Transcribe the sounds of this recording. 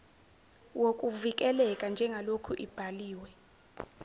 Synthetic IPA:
wokʼuvikʼɛlɛkʼand͡ʒʱɛŋɡʱalokʰuʔib̥ʱaliːwɛ

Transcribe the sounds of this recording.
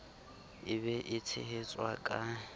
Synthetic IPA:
ɪβɛʔɪt͡sʰɪ̰ɦet͡sʼwakʼa

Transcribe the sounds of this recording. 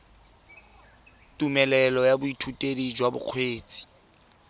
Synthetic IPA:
tumɛlɛlɔjabʊitʰutʼedid͡ʒwabʊ̰q͡χʰweːt͡sʼi̥

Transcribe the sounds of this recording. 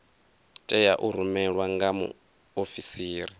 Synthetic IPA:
tʼɛjaʔuɾumɛɺwaŋɡamṵ | ofisiːɾi

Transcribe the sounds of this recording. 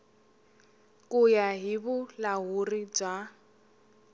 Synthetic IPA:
kʼujaɦibʊlaɦurid͡ʒa

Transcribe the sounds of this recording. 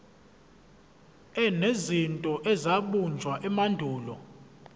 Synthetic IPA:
ɛnezintʼɔʔɛzaɓund͡ʒʱwaʔɛmandʱuːlɔ̰

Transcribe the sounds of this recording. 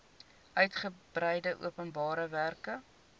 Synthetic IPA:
œɥtχəbrɛjdəʔṵəpənbɑːɾəværkə

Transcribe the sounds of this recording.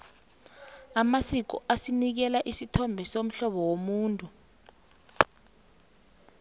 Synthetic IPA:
amasik̬ɔ̰ʔasinik̬ɛlaʔisitʰɔmbʱɛsom̩ɬɔɓɔwomuːntʼu

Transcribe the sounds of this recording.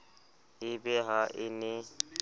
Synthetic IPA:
ɪbɛɦaʔɪnɪ

